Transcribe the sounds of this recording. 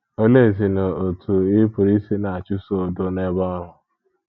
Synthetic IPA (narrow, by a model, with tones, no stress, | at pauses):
o˦le˦˨zi˨na˨o˨tu˨ɪ˦pʊ˨ɾi˦si˦na˨a˨t͡ʃu˦so˦˨dʊ˦ne˦bɔ˦ɾʊ˦